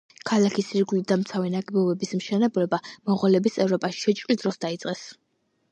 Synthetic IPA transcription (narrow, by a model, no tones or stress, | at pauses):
kʰalakʰisiɾɡulid̪amt̪sʰavɛnaɡɛbɔbɛbismʃɛnɛblɛbamɔʁɔlɛbisɛvɾɔpʼaʃi̥ʃɛt͡ʃʼqʼlid̪ɾɔsd̪ait̪sʼqʼɛs